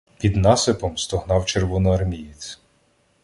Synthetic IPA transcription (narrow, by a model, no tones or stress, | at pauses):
pʲid̪nɑsepɔmst̪ɔɦnɑwt͡ʃerʋɔnʊɐrmʲijit͡sʲ